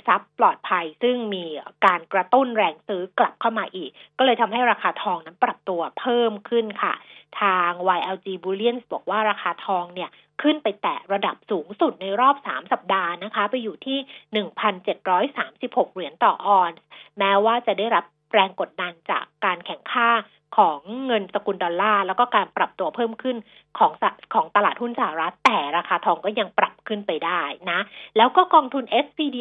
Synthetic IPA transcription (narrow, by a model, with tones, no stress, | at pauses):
sa˦˥pːlɔː˨˩t̪̚pʰa˧jsɯ˥˩ŋmiː˧kaː˧nkɾa˧t̪u˥˩nɾɛː˧ŋsɯː˦˥kla˨˩p̚kʰa˥˩wmaː˧ʔiː˨˩kːɔː˥˩lɤː˧jt̪ʰa˧mɦa˥˩jɾaː˧kʰaː˧t̪ʰɔː˧ŋna˦˥npɾa˨˩p̚t̪u˧ɐpʰɤː˥˩mkʰɯ˥˩nkʰa̰˥˩t̪ʰaː˧ŋwa˧jʔɛː˧wt͡ɕiː˧buː˧li˥˩ənsbɔː˨˩k̚waː˥˩ɾaː˧xʰaː˧t̪ʰɔː˧ŋni˥˩ɐ | kʰɯ˥˩npa˧jt̪ɛ̰ː˨˩ɾa˧da˨˩p̚suː˩˦ŋsu˨˩t̪̚na˧jɾɔː˥˩p̚sa̰ː˩˦msa˨˩p̚daː˧na˦˥kʰa˦˥pa˧jːuː˨˩t̪ʰiː˥˩nɯ˨˩ŋpʰa˧nt͡ɕe˨˩t̪̚ɾɔː˦˥jsaː˩˦msi˨˩p̚ho˨˩k̚ɾi˨˩˦ənt̪ɔː˨˩ʔɔː˧nsmɛː˦˥waː˥˩t͡ɕa˨˩daː˥˩jɾa˦˥p̚ | ɾɛː˧ŋko˨˩t̪̚da˧nt͡ɕa̰ː˨˩kːaː˧nkʰɛ˨˩˦ŋkʰaː˥˩ | kʰɔː˩˦ŋːɤ˧nsa˧ku˧ndɔː˧nlːaː˥˩lɛː˦˥wkɔː˥˩kaː˧npɾa˨˩p̚t̪u˧ɐpʰɤː˥˩mkʰɯ˥˩n | kʰɔː˩˦ŋkʰɔː˩˦ŋt̪a˧laː˨˩t̪̚hu˥˩nsa˧ha˨˧˩ɾa˦˥t̪ːɛː˨˩ɾaː˧kʰaː˧t̪ʰɔː˧ŋkɔː˥˩ja˧ŋpɾa˨˩p̚kʰɯ˥˩npa˧jdaː˥˩jna˦˥lɛː˦˥wkɔː˥˩kɔː˧ŋt̪ʰu˧nʔe˦˥spiː˧diː˧